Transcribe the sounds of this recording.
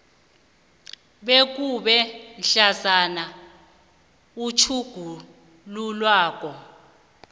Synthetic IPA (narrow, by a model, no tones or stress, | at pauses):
ɓek̬uɓɛnɬasana | ut͡ʃʰuɡ̥ʱu | lulwaːk̬ʼɔ